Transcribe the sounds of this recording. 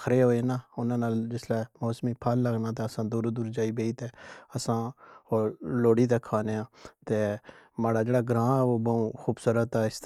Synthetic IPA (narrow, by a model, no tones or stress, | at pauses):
kɾeːɦoːeːnaːʊnãːnaːld͡ʒɪslɛːmoːsmiːpʰaːlːəɡnãːt̪eːəsãːd̪uːɾd̪uːɾd͡ʒaːiːbeːiːt̪eːəsãːoːloːɽiːt̪eːkʰːaːneãːt̪eː | maːɽaːd͡ʒeːɽaːɡɾãːɛːʋoːbəːũːxuːbsʊɾət̪aːɪs